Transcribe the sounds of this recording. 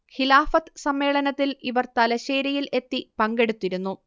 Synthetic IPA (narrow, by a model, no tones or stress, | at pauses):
xilaːfɐt̪ːɨsɐmːe̞ːɭɐnɐt̪ːiliʋɐrt̪ɐlɐɕeːɾijile̞t̪ːipɐŋɡe̞ɽut̪ːiɾunːu